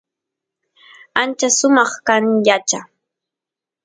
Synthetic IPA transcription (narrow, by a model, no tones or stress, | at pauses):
ant͡ʃasʊmɑχkaŋʎat͡ʃa